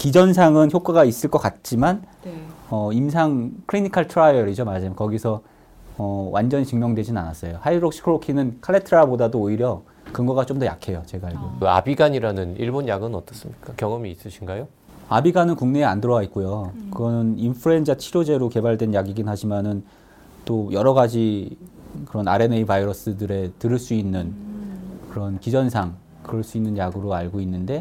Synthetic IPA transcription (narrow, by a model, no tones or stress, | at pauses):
kid͡ʑʌns̬ʰaŋɯnçjok͈waɡais͈ɯɭk͈ʌk͈at̚t͡ɕ͈iman | ʌimsʰaŋkʰɯɭɾinikʰaɭtʰɯɾajʌɾid͡ʑomad͡ʑamkʌɡisʰʌ | ʌwʔand͡ʑʌnit͡ɕɯŋmjʌŋdwe̞d͡ʑinɯna̰nas͈ʌjohaidɯɾok̚ɕ͈ʰi̥kʰɾokʰinɯnkʰaɭːetʰɯɾabodadoːiɾjʌ | kɯŋɡʌɡat͡ɕ͈omdʌja̰kʰe̞jot͡ɕe̞ɡaiɡokkɯa̰biɡaɲiɾanɯniɭbonjaɡɯnʌt͈ʌs͈ɯmɲik͈akjʌŋʌmiːs͈ɯɕʰinɡajo | abiɡanɯnkuŋne̞ːandɯɾʌwait̚k͈ojokɯɡʌnɯninpʰɯɾe̞nd͡ʑat͡ɕʰiɾod͡ʑe̞ɾoke̞baɭdwe̞njaɡiɡinɦaɕʰimanɯn | t͈ojʌɾʌɡad͡ʑi | kɯɾʌna̰ɾe̞neibaiɾʌs͈ɯdɯɾe̞tɯɾɯɭs͈uinːɯn | kɯɾʌnkid͡ʑʌnsʰaŋ | kɯɾʌɭs͈uinːɯnjaɡɯɾoaɭɡoinːɯnde̞